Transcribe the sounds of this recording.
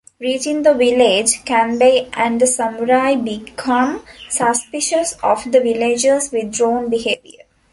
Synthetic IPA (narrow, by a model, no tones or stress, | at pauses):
ɾiːt͡ʃɪ̃ŋd̪əʋɪled͡ʒkæ̃nbeʔæ̃ɳd̪əsəmʊɾaɪbɪkʰʌ̃msəspɪʃəsɔʋd̪əʋɪled͡ʒəzʋɪd̪ɾõːnbiheːʋiə̰ɾ